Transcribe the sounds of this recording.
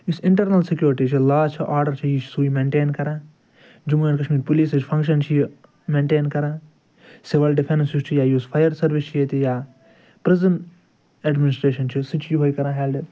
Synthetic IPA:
isɪɳʈɐɾnɐlsikjuːɾʈiːt͡ʃʰilaːt͡ʃʰiʔaːɾɖɐɾt͡ʃʰijit͡ʃʰsuːimẽːɳʈeːnkɐɾãː | d͡ʒumuɐnkɐʃmiːɾpuliːsit͡ʃʰpʰɐ̃ŋkʃɐnt͡ʃʰiji | mẽːɳʈeːnkɐɾãː | siʋɐlɖipʰennsist͡ʃʰijaːjuːspʰɐjɐɾsɐɾʋist͡ʃʰijet̪ijaː | pɾɪzɐnʈ | eɖmɪnɪsʈɾeːʃɐnt͡ʃʰisit͡ʃʰjiɦojkɐɾãːɦɛːlɖi

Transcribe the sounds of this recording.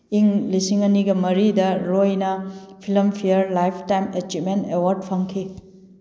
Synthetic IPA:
iŋlisiŋɐniɡɐmɐɾidɐɾojnɐpʰilɐmpʰijɐɾlajpʰtajmet͡ʃit̚mentewaɾd̚pʰɐŋkʰi

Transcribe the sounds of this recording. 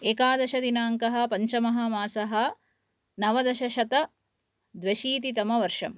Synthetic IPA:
eːkaːd̪ɐʃɐd̪inaːŋkɐɦɐ̆pɐɲt͡ʃɐmɐɦɐ̆maːsɐɦɐ̆ | nɐʋɐd̪ɐʃɐʃɐt̪ɐ | d̪ʋɐʃiːt̪it̪ɐmɐʋɐɾʂɐm

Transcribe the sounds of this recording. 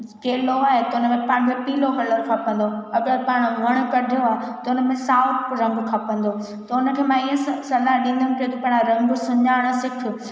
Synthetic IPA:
keːloaːɦet̪ɐʊnəmẽpaːɽ̃mẽpiːloɦɐləɾkʰapə̃nd̪oɐɡəpaːɽ̃ʋʱɐɽ̃̆kɐɖʱijoaːɦet̪ɐʊnəmẽsaːʊʈʰɾɐ̃ŋɡkʰapə̃n̆d̪o | t̪ɐʊnə̆kʰeːmãiə̃ssɐlaɦɗĩːnd̪ənɪ̆kɐot̪opaːɽ̃aɾɐ̃ŋɡsʊɲaːɽ̃sɪkʰʊ̆

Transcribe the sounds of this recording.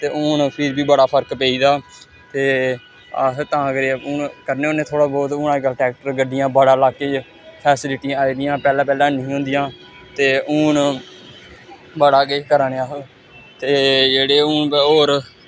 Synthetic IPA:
t̪eːʔʊːnpʰɪɾbiːbəɽaːpʰəɾkpeːiːd̪aː | t̪eː | ət̪ãːɡɾeʊnkəɾneːneːt̪ʰoːɽaːbɔːt̪ʊːnãːkəlʈɛːk̚ʈəɾɡəɖɪjãːbəɽaːlaːkeː | pʰɛːsɪlɪʈiãaːiːd̪ɪjãːpɛːlãːpɛːlãːnĩːɦʊ̃ːnd̪ɪjãː | t̪eːʔʊːn | bəɽaːɡeːkəɾaːneaː | t̪eːd͡ʒeːɽeːuːnoːɾ

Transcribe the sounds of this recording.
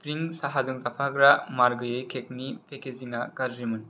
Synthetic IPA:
pɾiŋsaɦazɯŋzapʰaɡɾamaɾɡɯjɯjkʰek̚nipʰekeziŋakadɾimɯn

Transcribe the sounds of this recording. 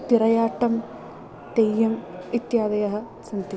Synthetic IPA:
t̪iɾɐjaːʈːɐm | t̪ejːɐmit̪jaːd̪ɐjɐɦɐ | sɐnt̪i

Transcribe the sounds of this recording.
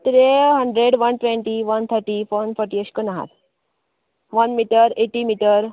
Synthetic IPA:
t̪ɾeɦəɳɖɾeɖʋɐnʈʋẽɳʈiʋɐnt̪ʰəɾʈifonfʰɔɾʈiəʃkənaɦa̰t̪ | ʋɐnmiʈəɾeʈimiʈəɾ

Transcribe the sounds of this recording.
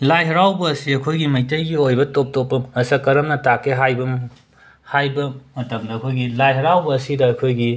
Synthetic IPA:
lajɦɐɾawbɐːsiɐkʰojɡimɐjtɐjɡiojbɐtop̚topːɐmɐsɐkɐɾɐmnɐtakeɦajbɐm | hajbɐmɐtɐmdɐɐkʰojɡilajɦɐɾawbɐːsidɐːkʰojɡi

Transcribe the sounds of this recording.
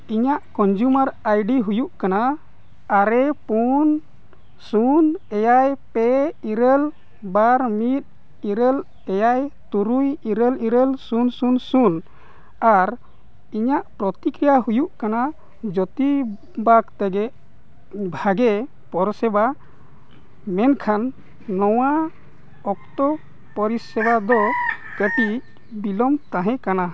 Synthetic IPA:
iɲaʔkɔnd͡ʒumaɾajɖiɦujuʔkanaː | ɾɛpun | sunɛjajpɛiɾəl | baɾmit̪̚ | iɾəl | ɛjajt̪uɾujiɾəliɾəlsunsunsun | aɾ | iɲaʔpɾɔt̪ikɾijaɦujuʔkana | d͡ʒɔt̪i | bakt̪ɛɡɛʔ | bʱaɡɛ | pɔɾsɛba | mɛnkʰanː | ɔwa | ɔk̚t̪ɔ | pɔɾisɛbad̪ɔ | kəʈi | bilɔmt̪aɦɛ̃kana

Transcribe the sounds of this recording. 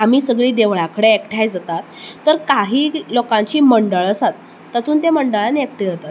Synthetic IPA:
am̤iːsəɡɭiːd̪eʋɭakəɽeekʈʰajd͡zat̪at̪ːəɾkaɦiːlokãɲt͡ɕiːməɳɖəɭəsat̪ː | ət̪ʰuːnt̪eməɳɖəɭaniek̚ʈʰid͡zat̪at̪

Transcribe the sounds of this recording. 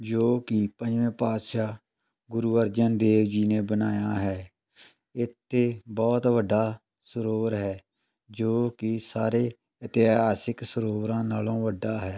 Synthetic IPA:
d͡ʒoːkɪpə̃d͡ʒʋẽːpaːt̪ʃaː | ɡʊɾuːəɾd͡ʒənd̪eːʋd͡ʒiːneːbənaːjaːɦɛː | ɪt̪ʰːeːbɔːt̪ʋəɖːaː | səɾoːʋəɾɦɛː | d͡ʒoːkɪsaːɾeː | ɪt̪ɪɦaːsɪksəɾoːʋɾãːnaːlõːʋəɖːaːɦɛː

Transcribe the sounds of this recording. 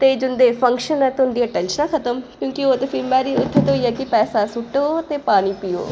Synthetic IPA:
t̪eːd͡ʒʊnd̪eːfʰə̃ŋkʃənɛːt̪ːɦʊnd̪iːəʈɛːnʃənakʰət̪əmkjõːkioːt̪eːfʰɪlmbɛːɾiːʊd̪ʰːet̪ːɦoiːɛːkɪpɛːsasʊʈoːt̪eːpaːniːpiːo̰ː

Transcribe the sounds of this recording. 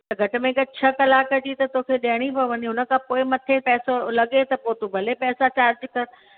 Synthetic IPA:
t̪ɐɡʱɐʈʊ̆mẽkɐt͡ɕʰɐkɐlaːkəd͡ʑiːt̪ɐt̪oːkʰeɗaɽ̃ipɐʋɐɲiɦʊnə̆kʰãːpoːɪmɐt̪ʰepɛːsolɐɠet̪ɐpoːt̪ubʱɐlepɛːsat͡ɕaːɾd͡ʑkɐɾ

